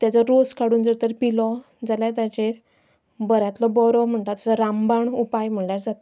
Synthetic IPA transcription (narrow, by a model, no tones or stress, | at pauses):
t̪jat͡sɔɾoskaɽuːnd͡zəɾt̪əɾpilɔ | d͡zalat̪̬at͡ɕeɾ | bəɾjãt̪lɔbɔɾɔm̤əɳt̪at̪ut͡sɔɾãmbaɳupajm̤əɭljaɾd͡zat̪a